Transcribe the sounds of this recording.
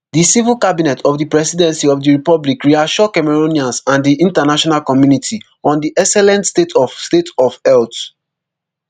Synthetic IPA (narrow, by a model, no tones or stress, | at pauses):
disivilˠkabinɛtʰɔvdipɹɛsidɛ̃nsiɔvdiɹipɔblikɹiaʃɔkɛmɛɹoniãnsãndiʔĩntanaʃɔnalkɔmjunitʰi | ɔ̃ndiʔɛksɛlɛ̃ntstetʰɔfstetʰɔvɛlt